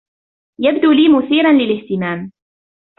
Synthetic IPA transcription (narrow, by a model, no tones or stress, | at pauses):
jab̚d̪uːliːmʊθiːɾanlɪlɪht̪ɪmaːm